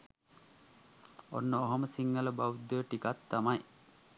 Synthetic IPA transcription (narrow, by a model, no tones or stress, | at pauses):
o̰nːəoɦoməsiŋːələbawud̪ːəʈikat̪ːamaj